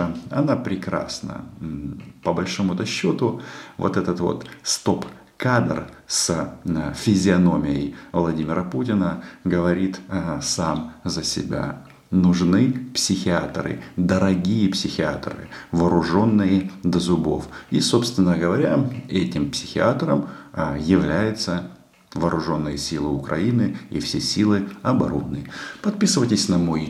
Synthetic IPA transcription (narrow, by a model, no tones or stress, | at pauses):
ɐnapɾʲɪkɾa̰snə̰ | pəbɐlʲʂomʊt̪ɐɕːot̪ʊvo̰t̪ɛt̪ət̪vo̞̰t̪st̪o̞p | kad̪r | s | fʲɪzʲɪɐno̞mʲɪjə̰jvlˠɐdʲimʲɪɾəputʲɪnəɡəvɐɾʲit̪samzəsʲɪ̰bʲa̰ | nʊʐnɨpsʲɪxʲɪat̪rɨ̰d̪əɾɐɡʲijəpsʲɪxʲɪa̰t̪rɨ̰vɐːɾʊʐo̞nːɨjəd̪əzʊbo̰fiso̞pst̪vʲɪnːəɡəvɐɾʲaɛtʲɪmpsʲɪxʲɪat̪rə̰mjɪvlʲæjɪt̪sə | vɐːɾʊʐo̞nːɨjəsʲilˠɨʊkɾʔɐ̰inɨḭfsʲesʲilˠɨɐbɐ̰ɾo̰nːɨpɐt̪̚pʲisɨvətʲɪsʲnɐmoj